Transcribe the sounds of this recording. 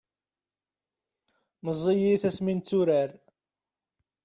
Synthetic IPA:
məzˤːijiθæsmint͡sːuɾæɾ

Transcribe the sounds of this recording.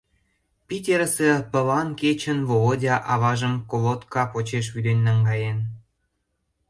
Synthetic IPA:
pʲitʲeɾəsepə̆lɑnket͡ɕənβoodʲɑʔɑβɑʒəmkolot̪kɑpot͡ɕeʃ̬βyd̪enʲːɑŋɡɑjen

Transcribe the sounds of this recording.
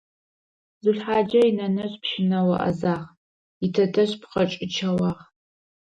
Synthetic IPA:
zɨɬħaːd͡ʒɐinɐnɐɕpʰʃɪnɐwɐʔɐ̰zaːʁ | itʰɐtʰɐɕpqɐt͡ʃʼɪt͡ʃʰɐwɑːʁ

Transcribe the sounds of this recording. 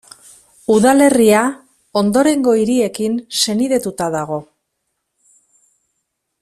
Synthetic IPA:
uðale̞ria | o̞nd̪o̞ɾe̞ŋɡo̞iɾie̞kinse̞niðe̞t̪ut̪aðaɣ̞o̞

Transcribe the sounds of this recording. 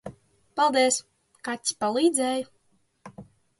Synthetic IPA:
palˠd̪iɛs | kat̪ʲsʲpalˠiːd̪zɛːj

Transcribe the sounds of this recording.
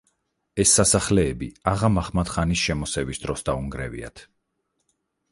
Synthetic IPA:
ɛsːasaχlɛːbiaʁamaχmat̪χanisʃɛmɔsɛvisd̪ɾɔsd̪auŋɡɾɛvḭa̰t̪ʰ

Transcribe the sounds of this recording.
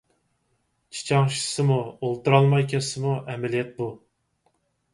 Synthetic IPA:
t͡ʃʰi̥t͡ʃʰɑŋʃi̥sɨmuolˠt̪uɾɑlˠmɑjkʲʰɛsɨmuʔɛmɛlijɛt̪̚bu

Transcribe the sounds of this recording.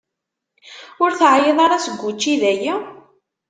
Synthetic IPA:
ʊɾθʕjeðˤɑɾɑsəɡʷːut͡ʃːiðæjæ

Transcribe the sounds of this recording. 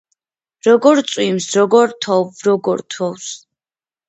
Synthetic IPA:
ɾɔɡɔɾt̪sʼwimsɾɔɡɔɾt̪ʰɔvɾɔɡɔɾt̪ʰɔws

